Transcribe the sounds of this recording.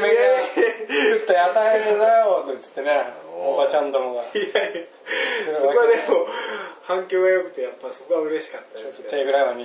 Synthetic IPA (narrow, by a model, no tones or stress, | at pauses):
e | ɯt̪ːajat̪ainenajot̪ɯt͡sɨ̥t̪ːeneobat͡ɕãnd̪omoɡaja | okoad̪emohãŋkʲoːɡajokɯ̟̥t̪ːejapːaso̞ko̞βaɯ̟ɾe̞ɕi̥kat̪ːat͡ɕot̪ːoeɡɯ̟ɾamaɲʲːi